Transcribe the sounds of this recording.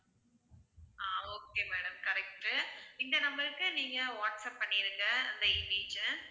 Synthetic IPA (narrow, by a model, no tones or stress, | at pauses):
aːoːkeːmeːɽɐmkɐɾɛk̚ʈɯɪnd̪ɐnɐmbɐɾɯkːɯniːŋɡɐʋaːʈsɐp̚ːɐɳːɪɾɯŋɡɐɪnd̪ɐɪnːiːd͡ʒɐ